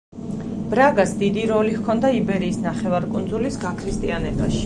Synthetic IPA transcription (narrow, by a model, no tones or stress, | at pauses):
b̥ɾaɡasd̪id̪iɾɔlihkʰɔnd̪aibɛɾiːsnaχɛvaɾkʼund̪zulisɡakʰɾist̪ʼianɛbaʃi̥